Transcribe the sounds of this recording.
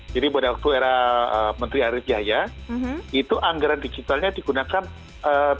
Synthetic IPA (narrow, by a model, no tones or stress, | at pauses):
d͡ʒadibuadawak̚t̪ueɾaəmənt̪ɾiaɾɪfd͡ʒaɦaja | it̪uʔaŋɡaɾandid͡ʒit̪alɲadiɡunakan | ə